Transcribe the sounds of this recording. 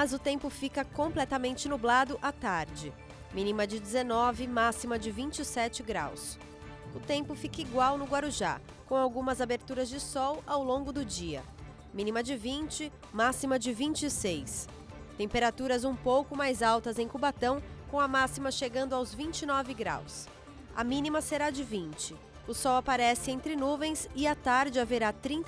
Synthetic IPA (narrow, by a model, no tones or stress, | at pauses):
mɐzʊt̪ẽmpʊfikɐkõplɛt̪ɐmẽnt͡ʃɪnublad̪ʊʔat̪aɾd͡ʒɪ | mĩnimɐd͡ʒɪd͡ʒɪzenɔvɪmasimɐd͡ʒɪvĩnt͡ʃɪsɛt͡ʃɪɡɾa̰ws | ʊt̪ẽmpʊfikɐiɡwawnʊɡwaɾuʒa̰ | kõw̃awɡũmɐzabeɾt̪uɾɐzd͡ʒɪsɔwawlõɡʊd̪ʊd͡ʒiɐ̰ | mĩnimɐd͡ʒɪvĩnt͡ʃɪ | masimɐd͡ʒɪvĩnt͡ʃɪsejs | t̪ẽmpeɾat̪uɾɐzũpowkʊmajzawt̪ɐzẽj̃kubat̪ɐ̃w̃kõw̃ɐmasimɐʃeɡɐ̃nd̪ʊawzvĩnt͡ʃɪnɔvɪɡɾa̰ws | ɐ̰mĩnimɐseɾad͡ʒɪvĩnt͡ʃɪ | ʊsɔwapaɾɛsɪẽnt̪ɾɪnuvẽj̃sɪɐt̪aɾd͡ʒɪaveɾat̪ɾĩn